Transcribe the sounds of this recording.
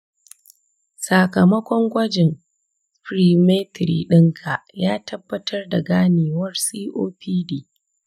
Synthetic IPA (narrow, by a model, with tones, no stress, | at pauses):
sa˨kɐ˨mɐ˦kʷɔ˦ŋɡʷɐ˦d͡ʒɪ˨ŋ | pɾiː˦me˦tɾḭ˨ɗɪ˦ŋkʰa˨ʔjaː˦tʰɐ˦bːɐ˦tʰɐ˦rda˨ɡaː˦neː˨wɐ˦rsiː˦ʔoː˦pʰiː˦diː˦